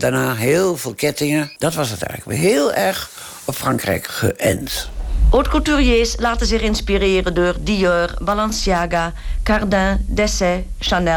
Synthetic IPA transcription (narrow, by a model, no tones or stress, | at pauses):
daɹnaːɦeːlˠvɪːlˠkɛtɪŋəd̥ɑtʋɑsətɛ̰jləkɦeːlˠɛɹχ | ɔpfrɑŋkrɛ̰jkχə̰ʔɛ̰ntʔotkulˠtyrjeːslaːtəzɪχɪnspireːrəndoːrdijøːrbalɑnsjaːɡakardɛ̃dɛsɛ | ʃanɛ